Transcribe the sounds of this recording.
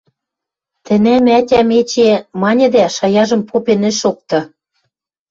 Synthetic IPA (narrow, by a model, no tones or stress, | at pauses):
t̪ɘ̆næmætʲæmet͡ɕemɑnʲɤ̆d̪æʃɑjɑʒɤ̆mpopenɘ̆ʃok̚t̪ɤ̆